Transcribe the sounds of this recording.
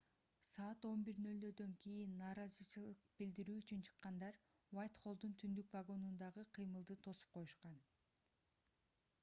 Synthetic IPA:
sɑːt̪o̞nbiɾnø̞ld̪ød̪ø̞ŋkʰʲijinːɑːɾɑzɯt͡ʃʰɯlˠɯq̚bild̪iɾyːt͡ʃynt͡ʃʰɯ̥qːɑnd̪ɑɾ | vajt̪χo̞lˠd̪unt̪ʰynd̪ykvaɡo̞nund̪ɑʁɯqʰɯjmɯlˠd̪ɯt̪ʰo̞su̥p̚qʰo̞juʃqɑn

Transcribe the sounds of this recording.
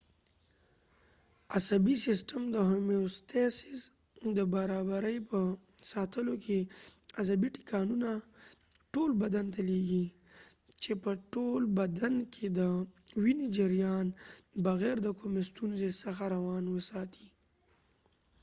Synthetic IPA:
asabisɪsʈəmd̪əɦʊmeost̪esɪs | d̪əbaɾɑbaɾəjpə | sɑt̪əlokʰeazabiʈi̥kɑnuna | ʈolbad̪ant̪aleɡi | t͡ʃepəʈolbad̪ankʰed̪əwinid͡ʒɪɾjɑnbaɣɛɾd̪əkʰʊmest̪unzesəxaɾawɑnwəsɑt̪ʰi̥

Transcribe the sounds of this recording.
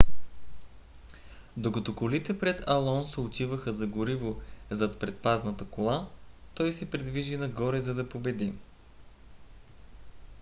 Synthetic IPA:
d̪okɐt̪ɔkolit̪ɛpɾɛt̪ɐlˠɔnsɛot̪ivəxəzɐɡʊɾivozɐt̪pɾɛt̪̚paznət̪əkolˠat̪ɔjsɛpɾɛd̪viʒinɐɡɔɾɛzɐd̪ɐpobɛd̪i

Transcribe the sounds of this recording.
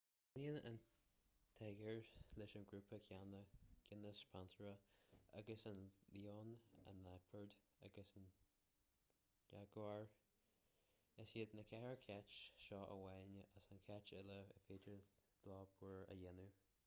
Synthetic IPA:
ʊniənə̰n | t̪ʰɛɡəɹlɪʃənɡɹuːpʰəkʰjanəɡ̥ɪnəspʰantɹəa̰ɡəsənlioːnə̰nːapʰəɹd̪ | a̰ɡəsən | d͡ʒaɡaɹ | ɪsiːd̪nəkʰɛɹəkʰɛt͡ʃʃɔːʔə̰wɛnəʔəsənkʰɛt͡ʃɪləə̰feːdəɹd̪̥lɔːbuɹə̰jɪnu

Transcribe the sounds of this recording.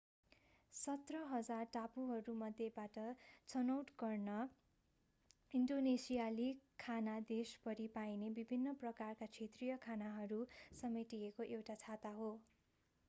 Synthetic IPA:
sʌt̪rʌɦʌd͡zarʈapuɦʌɾumʌd̪ʱjebaʈʌt͡sʌnʌwʈɡʌrnʌ | inɖonesijalikʰanad̪espʌɾipajnebibʱinːʌprʌkarkat͡sʰet̪rijʌkʰanaɦʌɾusʌmeʈiekoʔewʈat͡sʰat̪aɦo

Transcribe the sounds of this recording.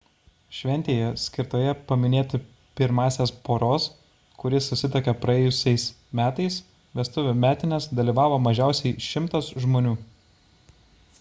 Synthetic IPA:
ʃʲʋʲɛnʲt̪ʲeːjɛsʲkʲɪɾt̪oːjɛpɐmʲɪnʲeːt̪ʲɪ | pʲɪɾmɑːsʲeːspoːɾoːs | kʊɾʲɪsʊsʲɪt̪ɐkʲɛpɾɐɛːjʊsʲɛɪs | mʲæːt̪ɐɪs | ʋʲɛst̪ʊʋʲʊmʲæːt̪ʲɪnʲɛsd̪ɐlʲiːʋɑːʋoːmɐʒʲæˑʊsʲɛɪʃʲɪmt̪ɐsʒmoːnʲuː

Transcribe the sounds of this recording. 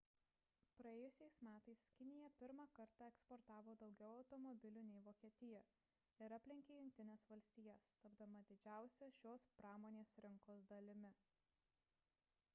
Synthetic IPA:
pɾɐeːjʊsʲɛɪsmʲæːt̪ɐɪskʲɪnʲɪjɛpʲɪɾmɑkɐɾt̪ɑˑɛkspɔɾt̪ɑːʋoːd̪ɒʊɡʲɛʊɐʊt̪ɔmɔbʲɪlʲuːnʲɛɪʋoːkʲiɛt̪ʲɪjɛ | ɪɾɑpʲlʲɪŋʲkʲeːjʊŋʲk̚t̪ʲɪnʲesʋɐlʲsʲt̪ʲiːjɛst̪ɐbd̪ɐmɐd̪ʲɪd͡ʒʲæˑʊsʲɛʃʲoːspɾɑːmoːnʲeːsɾʲɪŋkoːsd̪ɐlʲɪmʲɪ

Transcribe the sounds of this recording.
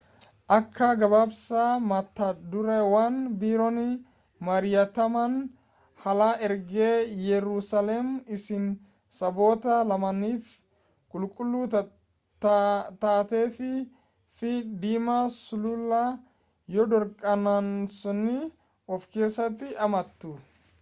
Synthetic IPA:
ʔɐkʰːɐɡɐbabsɐmɐt̪ːɐd̪ʊɾɛwanbiːɾɔnɪ | mɐɾɪjɐt̪ɐmɐn | hɐlɐɛɾɡeːjɛɾusɐlɛmɪsɪn | sɐbo̞ːt̪ɐlɐmɐnːiːf | kʼʊlkʼʊlːʊ | tt̪aːt̪eːfɪ | fɪd̪iːmɐsʊlʊlːɐ | jɔd̪ɔɾkʼːɐnɐnsɔnɪ | ɔfkeːsɐt̪ɪʔɐmɐt̪ːu

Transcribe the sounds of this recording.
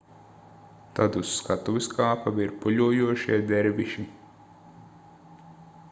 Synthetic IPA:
t̪ad̪usːkat̪uʋiskaːpaʋiɾpuʎuɔjuɔʃiɛd̪ɛɾvʲiʃi

